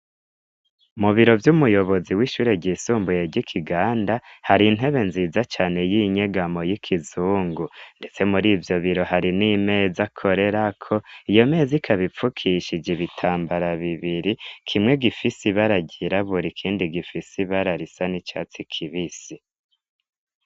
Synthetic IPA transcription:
umuβiɾo̞vjumujo̞βo̞ziwiːʃuːɾe̞ɟiːsuːmbujeɟikʰiɡaːndahaɾin̥e̞βe̞nziːzat͡ʃaːne̞jiːɲe̞ɡamo̞jikʰizuːŋɡunde̞t͡se̞muɾiːvjo̞βiɾo̞haɾinime̞ːzakʰo̞ɾe̞ɾakʰo̞ijo̞me̞ːzikʰaβip͡fukʰiʃid͡ʒiβitʰaːmbaɾaβiβiɾikʰimŋe̞ɡifisiβaɾaɟiɾaβuɾikʰiːndiɡifisiβaɾaɾisanit͡ʃa̰ːt͡sikʰiβisi

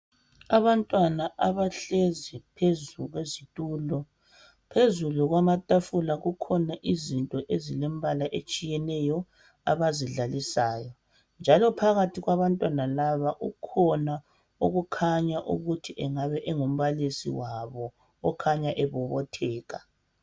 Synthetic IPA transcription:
aβantʼwanaʔaβaɬezipʰezuɣwezitʼuːlɔ | pʰezuluɣwamatʼafulaɣukʰɔnaʔizintʼɔʔezilɛmβalaʔet͡ʃʼijɛnɛjɔ | a̰βaziɮalisaːjɔ | nd͡ʒʱalɔpʰaɣatʰiɣwaβantʼwanalaβaʔukʰɔna | uɣukʰaɲaʔṵɣutʰiʔɛŋaβɛʔɛŋum̩βalisḭwaβɔː | kʰaɲaʔɛβuβɔtʰɛːɣa

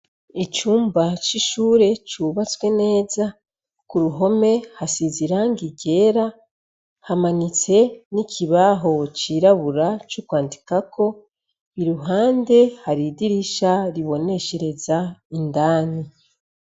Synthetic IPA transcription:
it͡ʃuːmbat͡ʃiʃuːɾe̞t͡ʃuβat͡swe̞ne̞ːza | kuɾuɦo̞me̞hasiziɾaŋɡiɟe̞ːɾa | hamanit͡se̞nikʰiβaɦo̞t͡ʃiɾaβuɾat͡ʃukwaːndikakʰo̞ | iɾuɦaːnde̞haɾidiɾiʃaɾiβo̞ne̞ʃe̞ɾe̞zaindaːni

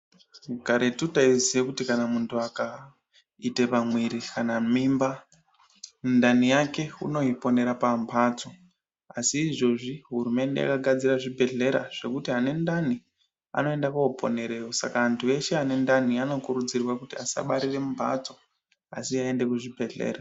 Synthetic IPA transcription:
ɡaɾetutaizijekutikanamuntʰuaka | itepamwiɾikanamimba | ndanijake̞ṵno̞ipo̞ne̞ɾapampʰaːt͡so̞ | asiːʐo̞ʐiɦurume̞nde̞ja̰kaɡʱad͡ziraʐibʱe̞ɮe̞ɾa̰ʐ̥e̞kutiane̞ndani | a̰no̞e̞ndakuopo̞̰ne̞ɾe̞josa̰kaːntʰue̞ʃe̞ane̞ndaniano̞kuɾud͡zirwakutiasa̰ɓaɾire̞umpʰa̰t͡so̞ | a̰siae̞nde̞kuʐibʱe̞ɮe̞̰ːra

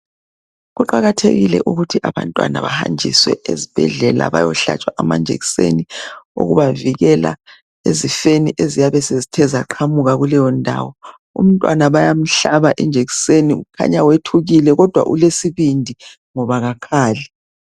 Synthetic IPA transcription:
ɣuǃaɣatʰḛɣilɛ̰ʔuɣutʰiʔaβa̰ntʼwa̰na̰βa̰ha̰nd͡ʒʱḭswɛ̰ezib̥ʱɛ̰ɮɛla̰βa̰jɔɬa̰t͡ʃʼwaʔamand͡ʒʱḛɣi̥sḛniṵɣṵβaviɣɛla̰ | ezifeniʔezijaβɛsezitʰɛzaǃʰamuɣaɣulɛjɔndʱa̰wɔ | ṵm̩tʼwanaβajam̩ɬaβaʔɛnd͡ʒʱeɣi̥seniuukʰa̰ɲawetʰuɣilɛɣɔd̥ʱwa̰ʔṵlesiβindʱi | ŋɔβaɣakʰaːlɛ

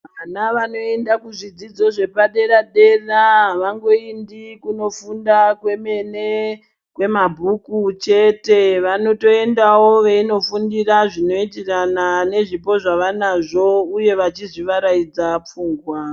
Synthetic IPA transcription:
ʋanaʋano̞e̞ndakuʐid͡zid͡zo̞ʐe̞paɗe̞ɾaɗe̞raʋaŋɡo̞indikuno̞fundakwe̞me̞ne̞ | kwe̞mabʱukut͡ʃe̞te̞ʋano̞to̞e̞ndawo̞ʋe̞ino̞fundiraʐino̞it̬iranane̞ʐipo̞ʐaʋanaʐo̞uje̞ʋat͡ʃiziʋaɾaid͡zap͡fuːŋɡwa

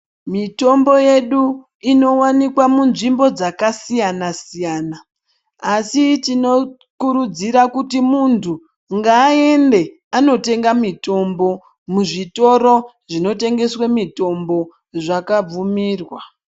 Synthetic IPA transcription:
mito̞mbo̞je̞ɗu | ino̞wanikwamunʐimbo̞d͡zakasijanasijaːnaː | sit͡ʃino̞ | kuɾud͡ziɾakutimuntʰu | ŋɡaːe̞nde̞ | ano̞te̞ŋɡamito̞mbo̞ | muʐito̞ɾo̞ | ʐino̞te̞ŋɡe̞swemito̞mbo̞ | ʐakab͡vumiːrwa

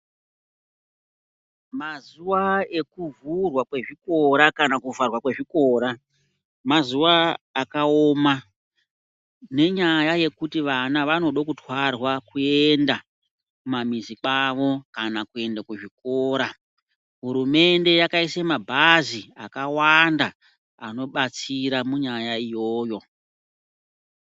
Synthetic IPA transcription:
mazuwae̞kuvurwakwe̞ʐiko̞ɾakanakuvarwakwe̞ʐiko̞ːɾa | mazuwaːkaoma | ne̞ɲajaje̞kutiʋanaʋano̞ɗokutwarwakue̞nda | kumamizikaʋo̞kanakue̞ndakweʐik̚oːɾa | ɦuɾume̞nde̞jakaisemabʱaziakawanda | ano̞ɓat͡siɾamuɲajaijo̞ːjo̞

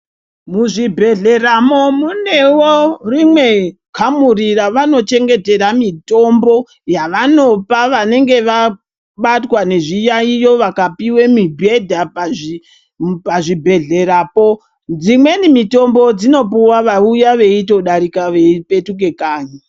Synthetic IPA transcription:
muʐibʱe̞ɮe̞ramomune̞worimwe̞ | kʰamuriraʋano̞t͡ʃe̞ŋɡe̞te̞ɾamito̞mbo̞ | jaʋano̞paʋane̞ŋɡe̞ʋa | ɓatwane̞ʐijaijoʋakapiwemibʱe̞dʱapai | paʐibʱe̞ɮe̞ɾapo̞ | d͡zimwe̞nimito̞mbo̞d͡zino̞puwaʋaujaʋe̞ito̞ɗaɾikaʋe̞ipe̞tuke̞kaːɲi

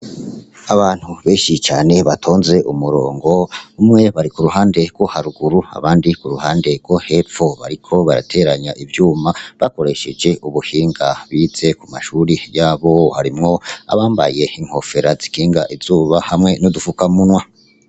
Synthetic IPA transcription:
aβaːn̥huβe̞ːʃit͡ʃa̰ːne̞βatʰo̞ːnze̞ʔumuɾoːŋɡo̞umŋe̞βaɾikuɾuɦaːnde̞ɡ̥wo̞haɾuɡuɾua̰βaːndikuɾuhaːnde̞ɡ̥wo̞he̞fo̞βa̰ɾikʰo̞βaɾa̰tʰe̞ɾaɲaʔivjuːmaβako̞ɾe̞ʃe̞d͡ʒe̞ʔuβuhiːŋɡaβiːz̥e̞kumaʃuɾijaːβo̞haɾimŋo̞a̰βaːmba̰je̞iŋ̥ho̞fe̞ɾazikiːŋɡaʔizuːβahamŋe̞nodufukamunwa

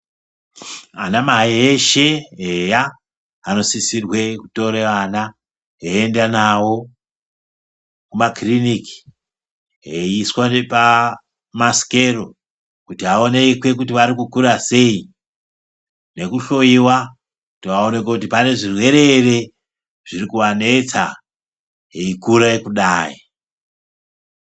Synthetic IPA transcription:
a̰namaeeʃe̞eja | ano̞sisirwe̞kuto̞ɾeʋana | ɦeendanawo̞ | kumakriniki̥ | ɦeiswanepa | maske̞ro̞ | kutiɦao̞nekwe̞k̬utiʋaɾikukuɾase̞i | ne̞kuɬo̞iwa | kutiʋaone̞kwekut̬ipane̞ʐirwe̞ɾe̞re̞ | ʐ̥iɾikuʋane̞t͡sa̰ | ɦeikuɾaekuɗaːi

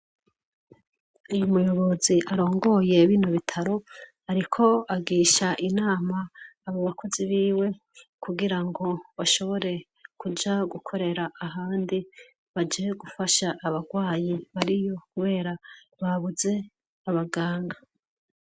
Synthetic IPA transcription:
ujumujo̞βo̞ziʔaɾo̞ːŋɡo̞je̞βiːnoβitʰaɾo̞ | aɾikʰo̞aɡiːʃaʔinaːmaːβoβakʰo̞ziβiːwe̞ | kuɡiɾaŋɡo̞βaʃo̞βo̞ɾe̞ | kud͡ʒaɡukʰo̞ɾe̞ɾaːɦaːndi | βad͡ʒieɡufaʃaʔːβaɡwaːjiβaɾijo̞kuβe̞ːɾa | βaβuze̞ | aβaɡaːŋɡa

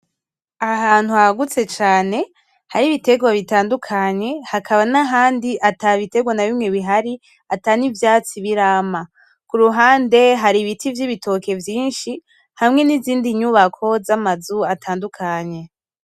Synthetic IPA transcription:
aɦaːn̥huhaɡut͡se̞t͡ʃaːne̞ | haɾiβite̞ɡwaβitaːndukʰaɲe̞hakʰaβanaɦaːndiʔataβite̞ɡwanaβimŋeβiɦaɾi | atanivjaːt͡siβiɾaːma | kuɾuɦaːnde̞ɦaɾiβitʰivjiβitʰo̞ke̞vjiːnʃi | hamŋe̞niziːndiɲuβakʰo̞zamazuatʰaːndukʰaɲe̞

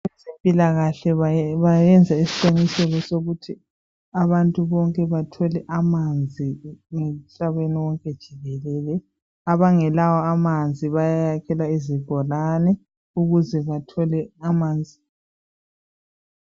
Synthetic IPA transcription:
sempʼilaɣaɬɛβajɛnd͡zʱaisi̥ǃeŋisɛɣɔsoɣutʰi | aβantʼuβɔŋkʼɛβatʰɔlɛʔamand͡zʱiŋem̩ɬaβeniwɔŋkʼɛd̥ʒ̥ʱiɣɛlɛlɛ | aβaŋɛlawɔamand͡zʱiβajajakʰɛlwaiziɡ̥ʱɔlanɛ | uɣuzɛβatʰɔlɛamaːnd͡zʱi

